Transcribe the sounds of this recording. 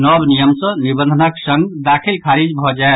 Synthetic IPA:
nɔbnijəmsə̃nibə̃nd̪ʱənəksəŋɡd̪akʰilkʰaɾid͡ʒbʱɔd͡ʒae

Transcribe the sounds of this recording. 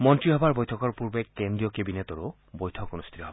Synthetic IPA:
mɔntɹiɦɔbaɹbɔjtʰɔkɔɹpuɹbekːendɹiɔkebinet̪oɹo | bojtʰɔkonust̪ʰi̥t̪ɔɦɔbe

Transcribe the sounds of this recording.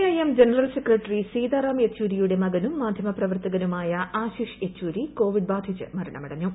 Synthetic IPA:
ɐjemd͡ʑenɐrɐlsekrɐʈːrisiːd̪aːɾaːmet͡ɕːuːɾijuɽe̞mɐɡɐnumːaːd̪ʱjɐmɐprɐʋɐrt̪ɐɣɐnumaːjɐaːɕiːʂet͡ɕːuːɾiko̞ːʋiɖ̚baːd̪ʱit͡ɕːɨ̰mɐɾɐɳɐ̰mɐɽɐɲːɐm

